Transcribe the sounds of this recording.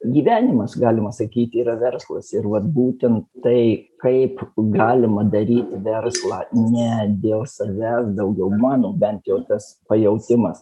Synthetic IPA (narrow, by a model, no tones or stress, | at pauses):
ɡʲiːʋʲæːnʲɪmɐsɡɑːlʲɪmɐsɐkʲiːt̪ʲiːɾɐʋʲɛrslˠɐsɪɾʋɐt̪buːt̪ʲɛnt̪tɐɪkɐɪpɡɑːlʲɪmɐd̪ɐɾʲiːt̪ʲɪʋʲɛɾslˠɑːnʲɛd̪ʲeːlˠsɐʋʲæːsd̪ɐʊɡʲɛʊmɑːnoːbʲɛnt̪jɛʊt̪ɐspɐjɛʊt̪ʲɪmɐs